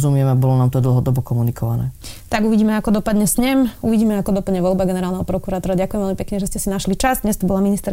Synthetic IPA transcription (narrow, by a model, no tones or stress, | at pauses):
zumɪɛmɛabɔlɔnaːmt̪ɔd̪l̩ˠɦɔd̪ɔbɔkɔmunikɔʋa̰nɛ̰ːt̪aɡuʋiɟiːmɛakɔd̪ɔpad̪ɲɛsɲɛmuʋiɟiːmɛakɔd̪ɔpad̪ɲɛʋɔlbaɡɛnɛɾaːlnɛɦɔpɾɔkuɾaːt̪ɔɾaɟakujɛmʋɛlmipɛkɲɛʒɛscɛsinaʃlit͡ʃazd̪ɲɛst̪ɔbɔlaminist̪ɛɾ